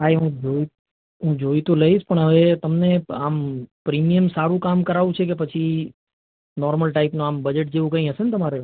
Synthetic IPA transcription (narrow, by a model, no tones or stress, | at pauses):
ɦaiɦũd͡ʒoi | ɦũd͡ʒoit̪oləɦiʃpəɳɦəʋet̪əmneampɾimijəmsaɾũkamkəɾaʋũt͡ʃʰek̬epət͡ʃʰi | nɔɾməlʈaipnũambəd͡ʒeʈ̚d͡ʒeʋũkə̃ĩɦəʃenet̪əmaɾe